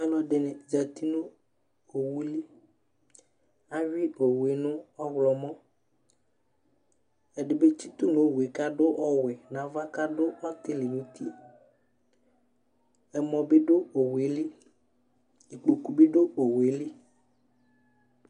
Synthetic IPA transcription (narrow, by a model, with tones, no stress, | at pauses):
ɛ˦lɔ̃˨ɖɪ˨nɪ˨d͡ʒa˨t̪i˦nʊ̃˦ | o˨wu˦li˦ | a˦vi˦o˨we˨˦nʊ̃˦ɔ˦ɣlɔ˨mɔ̃˦ | ɛ˨ɖɪ˨be˦t͡ʃi˦t̪u˦nʊ̃˦˨we˨ka˦ɖʊ˦ʔɔ˦wɛ˨nã˨va˦ka˦ɖʊ˦ʔɔ˦t̪ɪ˦lɪ˨nũ˦t̪i˦ | ɛ˨mɔ̃˨be˦ɖo˦o˨we˨li˦ | i˨k͡po˨ku˨be˦ɖo˦o˨we˨˦li˦